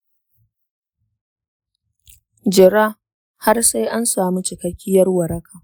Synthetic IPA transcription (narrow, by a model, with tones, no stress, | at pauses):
d͡ʒɪ˨ɾaː˦ | ha˦rsa˦jʔa˦nsaː˨mi˦t͡ʃɪ˨kɐ˦kʲːɪ˦jɐ˦rwɐ˨ɾɐ˦kʰaː˨